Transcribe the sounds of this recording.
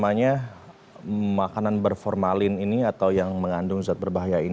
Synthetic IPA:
maɲa | makananbərfɔrmalɪniniat̪awjaŋməŋandʊŋzuat̪̚bərbaɦajain

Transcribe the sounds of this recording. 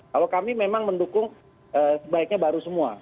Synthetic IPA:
kalokamimemaŋməndukʊŋ | ʔəːsəbaik̚ɲabaɾusəmua̰

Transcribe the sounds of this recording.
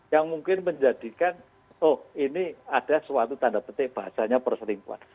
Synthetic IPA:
jaŋmuŋkɪnməɲd͡ʒad̥i̤kan | ɔhiniad̥aswat̪ut̪andabət̪ɪb̥aɦasaɲapərsəlimpua̰n

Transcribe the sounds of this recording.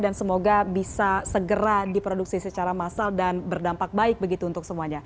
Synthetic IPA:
dansəmoɡabisasəɡəɾadipɾoduk̚sisət͡ʃaɾamasaldanbərdampak̚baɪk̚bəɡit̪uːnt̪ʊk̚səmuaɲa

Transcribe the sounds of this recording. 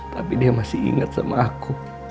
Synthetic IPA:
t̪apidiamasiḭŋat̪̚sa̰maʔaku

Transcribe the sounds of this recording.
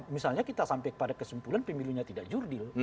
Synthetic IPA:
misalɲakit̪asampɛjkə̥padakəsumpulanpəmiluɲat̪idaʔd͡ʒurdil

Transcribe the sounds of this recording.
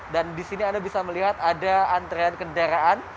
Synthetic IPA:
dandisiniandabisaməliɦat̪adaant̪ɾeankəndaɾaʔan

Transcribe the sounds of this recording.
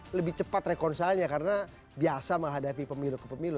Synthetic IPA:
ləbɪt͡ʃəpat̪rekɔrnsalɲakaɾəna | biasaməŋɦadapipəmilukəpəmilu

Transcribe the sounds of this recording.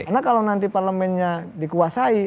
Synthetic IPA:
anakalawnant̪iparləmɛnɲadikuasai

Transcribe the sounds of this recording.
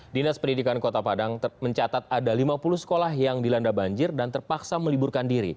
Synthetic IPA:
dinaspəndidikankot̪apadaŋməɲt͡ʃat̪at̪̚adalimapuluhsə̥kolahjaŋdilandabaɲd͡ʒɪrdant̪ərpaksaməliburkandiɾḭ

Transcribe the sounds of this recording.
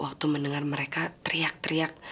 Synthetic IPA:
wʔak̚t̪umənəŋarməɾekat̪əɾiak̚t̪əɾiak̚

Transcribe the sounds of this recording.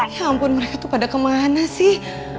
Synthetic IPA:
jampʊnməɾekat̪upadakəmanasɪh

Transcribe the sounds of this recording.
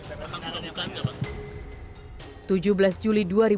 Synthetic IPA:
aaamukanaa | t̪ud͡ʒubəlasd͡ʒuliduaɾi

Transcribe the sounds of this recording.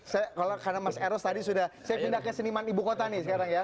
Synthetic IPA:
sajakalokarnamasɛɾɔst̪adisudahsajapindahkəsənimanibukot̪anɪsəkaɾaŋja

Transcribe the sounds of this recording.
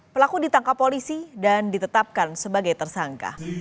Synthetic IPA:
pəlakudit̪aŋkapːolisidandit̪ət̪ap̚kansəbaɡajt̪ərsaŋka̰

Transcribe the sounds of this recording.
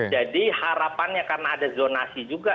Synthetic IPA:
d͡ʒadihaɾapanɲakarnaːdazonasid͡ʒuɡa

